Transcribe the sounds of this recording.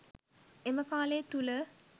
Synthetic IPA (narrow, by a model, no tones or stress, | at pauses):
eməkaːleːt̪ulə